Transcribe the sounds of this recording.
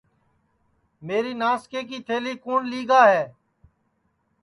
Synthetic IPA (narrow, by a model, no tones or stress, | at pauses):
meːɾiːnaːskeːk̬iːt̪ʰeːliːkuːnliːɡaːɦɛː